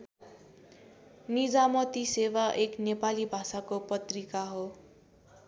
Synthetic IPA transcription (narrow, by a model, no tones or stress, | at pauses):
nid͡zamʌt̪isewaʔeknepalibʱasakopʌt̪rikaɦo